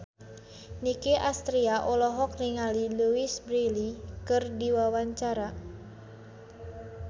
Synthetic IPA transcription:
nikeʔast̪ɾiaʔolɔɦɔk̚niŋaliluisbɾilikɨrdiwawaɲt͡ʃaɾa

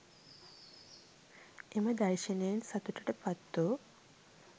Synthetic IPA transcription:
emɐd̪ɐɾʃɐnejɐnsɐt̪uʈɐʈəpɐt̪ːo

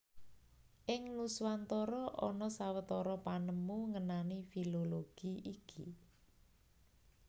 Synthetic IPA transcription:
ʔɪŋluswant̪ɔɾɔʔɔ̰nɔsawət̪ɔɾɔpanəmuŋənanifiloloɡ̥iikʰi

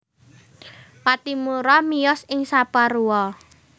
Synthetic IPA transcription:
wat̪imuɾɔmijɔsɪŋsapaɾuɔ

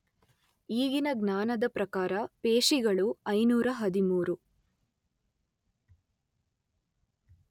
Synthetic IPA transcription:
iːɡinɐɡnaːnɐd̪ɐpɾɐkaːɾɐpeːʂiɡɐɭuɐjnuːɾɐɦɐd̪imuːɾu

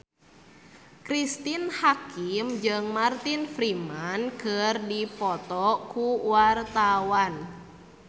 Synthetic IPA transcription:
kɾist̪inhakimd͡ʒɨŋmart̪infɾimankərdipɔt̪ɔkuwart̪awan

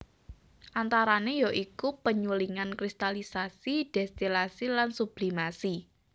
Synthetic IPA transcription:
ʔant̪aɾanejɔʔikupəɲuliŋankɾist̪alisasid̥ɛst̪ilasilansub̥limasi

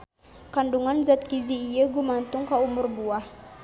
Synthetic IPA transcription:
kanduŋanzat̪̚kiziːjəɡumant̪ʊŋkaumʊrbuah

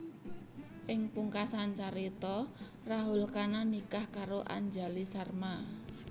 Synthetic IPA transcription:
ʔɪŋpuŋkasant͡ʃaɾit̪ɔ | raɦulkananikahkaɾoʔa̰ɲd͡ʒalisarma

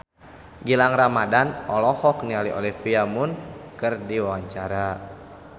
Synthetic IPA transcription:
ɡilaŋɾamadanɔlɔhɔknialiʔɔ̰lifiamʊnkɨrdiwawaɲt͡ʃaɾa

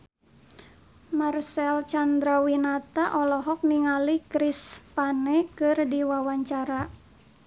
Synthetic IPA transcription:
marsɛlt͡ʃand̪ɾawinat̪aʔɔlɔɦɔk̚niŋalikɾispanɛkɨrdiwawaɲt͡ʃaɾa

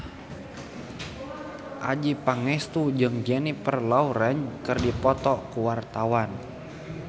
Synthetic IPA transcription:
ʔad͡ʒipaŋɛst̪ud͡ʒɨŋd͡ʒɛnipərlauɾɛnkɨrdipɔt̪ɔkuwart̪awan

